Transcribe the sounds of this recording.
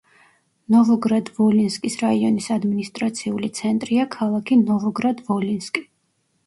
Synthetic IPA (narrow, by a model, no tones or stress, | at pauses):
nɔʁɔɡɾad̪vɔlinskʼisɾaiɔnisad̪minist̪ʼɾat̪sʰiulit̪sʰɛnt̪ʼɾiakʰalˠakʰinɔʁɔɡɾad̪vɔlinskʼi̥